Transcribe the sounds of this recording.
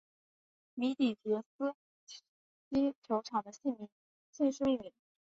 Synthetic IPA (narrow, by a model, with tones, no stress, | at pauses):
mi˧˥t̪i˨˩t͡ɕɛ˧˥s̩˥ | t͡ɕi˥t͡ɕʰjo˧˥ʊʈ͡ʂʰɑ˨˩ŋd̪ə˦ɕi˥˩mi˧˥n | si˥˧ʂ̩˥˧i˥˩mi˧˥n˧